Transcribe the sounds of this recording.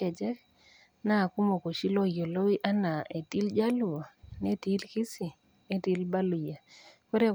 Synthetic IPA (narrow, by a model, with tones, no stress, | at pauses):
ɛ˨d͡ʒɛ˦k | na˦˨ku˦mo˨ko˨ʃi˦lo˦jo˨lo˦wi˦ʔa˦na˨e˨ti˦ld͡ʒa˦lu˨a˨ne˦ti˦lki˦si˨ | e˦ti˦lba˦lu˨ja˨ko˦ɾe˦